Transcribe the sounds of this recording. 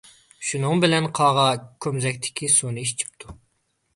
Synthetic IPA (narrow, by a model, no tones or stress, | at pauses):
ʃunɨŋbɪlɛnqʰɑːʁɑkʲʰømzɛk̚ʲt̪ʰɪ̥kʲʰisonɨiʃt͡ʃʰi̥pt̪ʰu